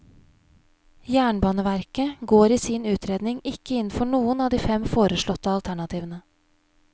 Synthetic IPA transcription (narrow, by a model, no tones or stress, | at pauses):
jæːɳbɑːnəʋæɾkəɡoːɾiːsiːnʉːt̪ʰɾeːd̪nɪŋɪkəɪnn̩fɔɳuːənɑːd̪iːfɛmfoːɾəʃɭɔt̪ːəɑlt̪ʰæɳɑt̪ʰiːʋənə